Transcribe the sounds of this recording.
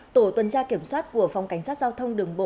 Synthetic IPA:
t̪o˧˩t̪wə˨˩nt͡ɕaː˧ki˧˩əmswaː˦˥t̚ku˧˩əfwŋ͡mka˧˩jŋ̟saː˦˥t̚zaː˧wt̪ʰə˧wŋ͡mɗɨ˨˩əŋɓo̰˧˨

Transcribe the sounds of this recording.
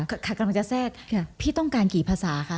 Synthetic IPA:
kkʰa˧˥˩ka˧mla˧ŋt͡ɕa˨˩sɛː˥˩k̚pʰiː˥˩t̪ɔ˥˩ŋkaː˧nkiː˨˩pʰaː˧saː˩˦kʰa˦˥˩

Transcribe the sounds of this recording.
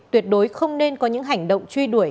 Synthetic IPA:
t̪wi˨˩ət̚ɗo˨˦jxə˧wŋ͡mne˧nkɔ˨˦ɲɨ̰˧˥ŋɦa˨˩jŋ̟ɗo̰˧˨wŋ͡mt͡ɕwi˧ɗu˧˩əj

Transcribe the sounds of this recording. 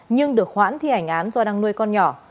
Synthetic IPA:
ɲɨ˧ŋɗɨ˨˩ək̚hwa̰ː˧˥nt̪ʰi˧˩ʔa˧˩jŋ̟ʔaː˨˦nzɔ˧ɗaː˧ŋnu˧əjkɔ˧nɲɔ˧˩

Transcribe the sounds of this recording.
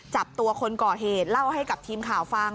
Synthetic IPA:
t͡ɕa˨˩p̚t̪u˧ɐkʰo˧nkɔː˨˩ɦeː˨˩t̪̚la˥˩wha˥˩jka˨˩p̚t̪ʰiː˧mkʰaː˨˩˦wfa˧ŋ

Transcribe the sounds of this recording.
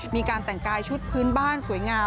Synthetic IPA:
miː˧kaː˧nt̪ɛ˨˩ŋkaː˧jt͡ɕʰu˦˥t̪̚pʰɯː˦˥nbaː˥˩nsu˩˦əjŋaː˧

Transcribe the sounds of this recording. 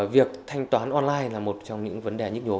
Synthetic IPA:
vi˨˩ək̚t̪ʰa˧jŋ̟t̪waː˨˦nʔɔ˧nlaː˧jlaː˨˩mo˨˩t̚t͡ɕɔ˧wŋ͡mɲɨ̰˧˥ŋvə˨˦nɗe˨˩ɲɨ˦˥k̚ɲo˨˦

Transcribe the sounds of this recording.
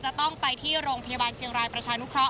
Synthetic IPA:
t͡ɕa˨˩t̪ɔ˥˩ŋpa˧jt̪ʰiː˥˩ɾoː˧ŋpʰa˧ja˧waː˧nt͡ɕʰi˧əŋɾaː˧jpɾa˧t͡ɕʰaː˧nu˥kʰɾɔ˦˥ʔ

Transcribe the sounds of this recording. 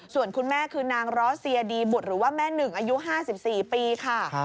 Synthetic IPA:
su˨˩ənkʰu˧nmɛː˥˩kʰɯː˧naː˧ŋɾɔː˦˥si˧ədiː˧bu˨˩t̪̚ɾɯː˩˦waː˥˩mɛː˥˩nɯ˨˩ŋʔaː˧ju˦˥ʔɦaː˥˩si˨˩p̚siː˨˩piː˧kʰa˥˩

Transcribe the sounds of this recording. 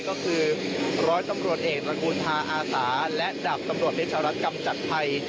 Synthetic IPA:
kɔː˥˩kʰɯː˧ɾɔː˦˥jt̪a˧mɾu˨˩ət̪̚ʔeː˨˩k̚t̪ɾa˧kʰuː˧nt̪ʰaː˧ʔaː˧saː˩˦lɛ˦˥da˨˩p̚t̪a˧mɾu˨˩ət̪̚pʰe˥t͡ɕʰaː˧ɾa˦˥t̪̚ka˧mt͡ɕa˨˩t̪̚pʰa˧j

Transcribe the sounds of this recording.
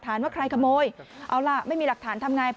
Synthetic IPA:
t̪ʰaː˨˩˦nwaː˥˩kʰɾa˧jkʰa˧moː˧jʔa˧˩wla˧˩ma˥˩jmiː˧la˨˩k̚t̪ʰaː˩˦nt̪ʰa˧mŋaː˧j

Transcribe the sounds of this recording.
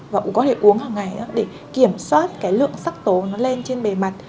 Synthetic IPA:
vaː˨˩kkɔ˨˦t̪ʰe˧˩ʔu˨˦əŋhaː˨˩ŋa˨˩jʔa̰ː˨˦ɗe˧˩ | ki˧˩əmswaː˦˥t̚kaː˨˦jlɨ̰˧˨əŋsa˦˥k̚t̪o˨˦nɔ˨˦le˧nt͡ɕe˧nɓe˨˩ma˨˩t̚

